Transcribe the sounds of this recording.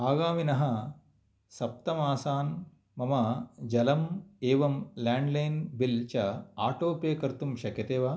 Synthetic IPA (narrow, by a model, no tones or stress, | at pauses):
aːɡaːminɐɦɐ | sɐp̚t̪ɐmaːsaːn | mɐmɐd͡ʒɐlɐmeːʋɐmlaːɳɖlɐjnbilt͡ʃɐaːʈoːpeːkɐɾt̪umʃɐkjɐt̪eːʋaː